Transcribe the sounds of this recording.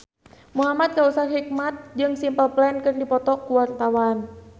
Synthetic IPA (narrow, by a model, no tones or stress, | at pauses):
muɦamat̪̚kausat̪hik̚mat̪̚d͡ʒɨŋsimpəlplɛnkɨrdipɔt̪ɔkuwart̪awan